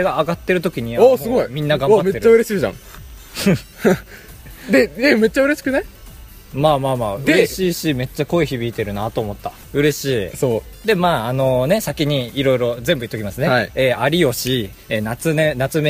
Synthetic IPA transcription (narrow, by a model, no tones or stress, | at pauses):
eɡaːɡat̪ːe̞ɾɯ̟t̪o̞kʲiɲ̟iaaɨɡoimʲĩnːaɡãmbme̞teɾt͡ɕːaɯɾe̞ɕiːʑã̰ | d̪e̞eme̞t͡ɕːaɯ̟ɾe̞ɕi̥kɯ̟ne | maːmaːmaːd̪eɾe̞ɕiːɕime̞t͡ɕːako̞eçibʲiːt̪e̞ɾɯ̟nat̪oːmo̞t̪ːa | ɯ̟ɾe̞ɕiːsoːd̪e̞maːano̞ne̞sakʲiɲ̟iiɾo̞iɾo̞zẽ̞mbɯit̪ːokʲimasɨneaieːaɾʲijo̞ɕi | enat͡sɨnẽnat͡sɨme